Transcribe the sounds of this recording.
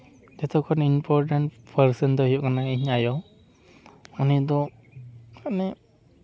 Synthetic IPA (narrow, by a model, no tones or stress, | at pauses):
d͡ʒɛt̪ʰɔkʰɔninpʰɔɾʈaɳʈpʰəɾsənd̪ɔhijɔʔkanaiɲajɔ | ɔnid̪ɔ | kaʔnɛ